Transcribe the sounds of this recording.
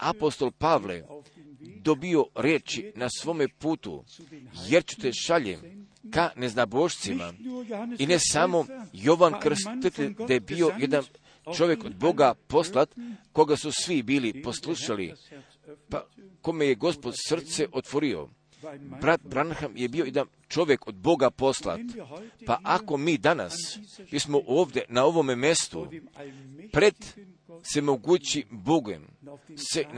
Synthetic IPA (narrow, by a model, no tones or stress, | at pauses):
a̰po̞st̪o̞lpaʋlḛ | d̪o̞bio̞ɾjeːt͡ʃinasʋo̞ːme̞puːt̪ṵje̞ɾt͡ʃu̥t̪eʃaʎḛm | kane̞znaboʃt̪sima̰ine̞samo̞jo̞ʋankr̩st̪it̪ed̪ajebio̞je̞d̪an | t͡ʃo̞ʋjeko̞d̪̚bo̞ɡapo̞slat̪ko̞ɡasusʋibiːlipo̞slˠuʃalḭ | pako̞me̞jeɡo̞spo̞d̪sr̩t̪seʔo̞t̪ʋo̞ɾio̰ | bɾat̪̚bɾanxamje̞bio̞je̞d̪an | t͡ʃo̞ʋje̞ko̞d̪̚bo̞ɡapo̞slˠa̰t̪paʔako̞miːd̪ana̰smismo̞ʔoːʋd̪e̞nao̞ʋo̞memje̞st̪ṵ | pɾe̞d̪ | se̞moɡuːt͡ɕiboɡḛm | se